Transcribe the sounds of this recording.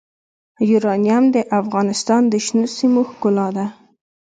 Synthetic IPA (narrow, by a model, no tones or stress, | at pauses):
juɾɑnijamd̪əʔafɣɑnɪst̪ɑnd̪əʃnusimoxkʊlɑd̪a